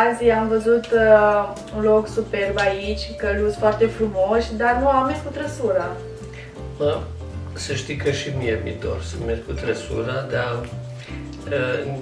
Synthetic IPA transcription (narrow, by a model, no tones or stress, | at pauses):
azieamvəzut̪ | unlo̞ksupe̞rbait͡ʃʲkəluzfoart̪e̞fɾumo̞ʃʲd̪arnuamːeskut̪ɾəsuɾa | mə | səʃt̪ikəʃimiemḭt̪o̰rsəmerɡ̚kut̪ɾəsṵɾad̪a | ə